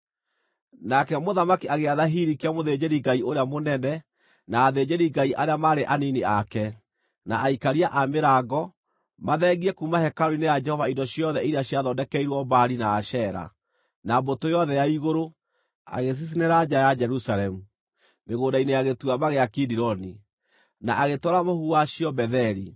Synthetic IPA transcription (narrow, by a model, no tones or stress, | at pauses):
nakɛmoðamakiaɣeaðaɦiɾikeamoðed͡ʑeɾiɡaioɾeamonɛnɛ | naːðed͡ʑeɾiɡaiʔaɾeamaɾeʔaniniakɛ | naʔːikaɾiaʔameɾaɡɔ | maðɛɣiɛkumahɛkaɾoɾinejad͡ʒɛhɔvaindɔɕiɔðɛiɾeaɕiaðɔndɛkɛiɾwɔbaɾinaːʃɛɾa̰ | nambotojɔðɛjaiɣoɾo | a̰ɣes̬is̬ineɾad͡ʒajad͡ʒɛɾusalɛmu | meɣoːdaineaɣetuamaɣeakidiɾɔni | naʔaɣetɔɾamohuaɕiɔbɛðɛɾi